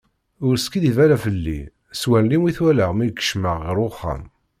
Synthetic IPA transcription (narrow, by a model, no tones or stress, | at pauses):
ʊɾskid̪ivæɾæfəlːḭ | swænlimiθwæləʁmikːə̥ʃməʁːəɾʊχːa̰m